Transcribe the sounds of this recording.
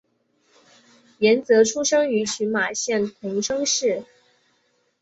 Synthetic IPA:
jɛ˧˥nt͡sɤ˧˥ʈ͡ʂʰu˥ʂɤ˥ŋy˧˥ɕy˧˥nma˨˩ɕjɛ˥˩nt̪ʰə˧˥ŋʂɤ˥ŋʂɻ̩˥˩

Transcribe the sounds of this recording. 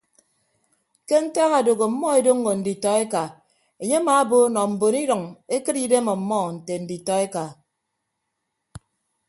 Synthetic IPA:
ke˦n̩˦ta˦ɣa˨do˨ɣo˨m̩˦mɔ˦e˨do˦ŋ̩˦ɡo˨n̩˨di˨tɔ˨e˦ka˨ | e˨ɲe˦ma˨a˦bo˦nɔ˨m̩˨bo˨ni˦ɾɔ˨ŋe˦kɨ˦ɾi˦de˦mɔ˨m̩˨mɔ˦n̩˨te˨n̩˨di˨tɔ˨e˦ka˨

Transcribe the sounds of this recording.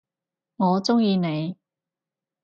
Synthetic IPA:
ŋɔː˨˧t͡sʊ˥ŋjiː˧ne˨˧j

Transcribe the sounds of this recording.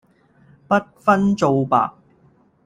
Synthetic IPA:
pɐ˥t̚fɐ˥nt͡so˨˧wpa̰ː˨k̚

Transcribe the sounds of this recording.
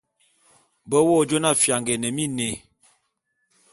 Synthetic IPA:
bə˦wɔ˦d͡ʒo˦na˦˨fja˨ŋɡɛ˨nə˨mi˦ne˨

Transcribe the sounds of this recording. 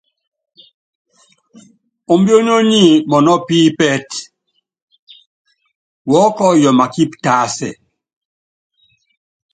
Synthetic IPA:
o˨mbjo˦n˦o˦ɲi˦˨mɔ˨nɔ˦piː˦pɛ˦t | wɔ˦kɔ˦jɔ˨ma˨ki˦pta˦sɛ̰˨

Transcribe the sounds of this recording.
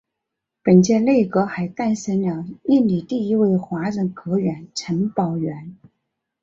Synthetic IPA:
pə˨˩nt͡ɕjɛ˥˧le˥˩ɪkɤ˧˥xa˧˥ɪt̪a˥˩nʂə˧˥nljɑ˨˩˦ŋi˥˩nli˨˩t̪i˥˧i˧˥we˥˩ɪxwa˧˥ʈ͡ʂə˨˩nkʰɤ˧˥ɥɛ˧˥nʈ͡ʂʰə˧˥npɑ˨˩ʊɥɛ˧˥n

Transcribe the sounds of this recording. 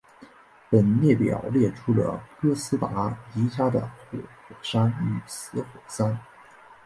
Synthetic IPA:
pə˨˩nnjɛ˥˩pjɑ̰˨˩ʊljɛ˥˩ʈ͡ʂʰu˥lə̰˧kɤ˥sɹ̩˥t̪a̰˧˥i˧˥t͡ɕja˥d̪ə̰˨xwɔ˨˩xwɔ˨˩ʂa˥ny˨˩sɹ̩˧˥xwɔ˨˩sa˥n

